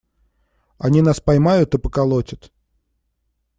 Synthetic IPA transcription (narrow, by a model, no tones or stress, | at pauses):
ɐnʲinaspɐjmajʊt̪ɨpəkɐlˠotʲət̪